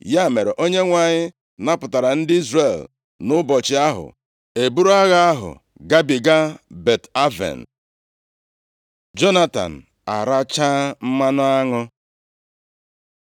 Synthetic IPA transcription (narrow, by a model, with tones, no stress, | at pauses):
ja˦˨me˨ɾe˨ʔo˦ɲe˦ŋʷa˨ɲɪ˦ | na˦pʊ˨ta˨ɾa˨n̩˦dɪ˦i˦zɾe˨l | nʊ˦bɔ˨t͡ʃɪ˨˦a˦ɦʊ̰˨ | e˨bu˦ɾa˦ɣa˦a˦ɦʊ̰˨ | ɡa˦bi˨ɡa˦be˨ta˦vḛ˨n̩˨ | d͡ʒo˦na˦ta̰˨n̩˨ | a˨ɾa˦t͡ʃaː˦m̩˦ma˦nʊ˦a˦ŋʊ˦